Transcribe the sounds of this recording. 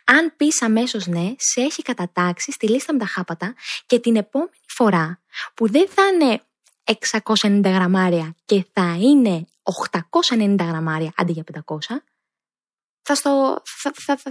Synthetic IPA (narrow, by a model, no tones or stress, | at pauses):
ɐnpisɐme̞so̞zne̞se̞çikɐt̪ɐt̪ɐksist̪ilist̪ɐmet̪ɐxɐpɐt̪ɐce̞t̪ine̞po̞me̞nifo̞ɾɐpuðe̞nθɐne̞ | eksɐko̞sɐenind̪ɐɣɾɐmɐɾiɐce̞θɐine̞ | o̞xt̪ɐko̞sɐenenind̪ɐɣɾɐmɐɾiɐʔɐ̰nd̪iʝɐpe̞nd̪ɐko̞sɐ | θɐst̪oɐɐ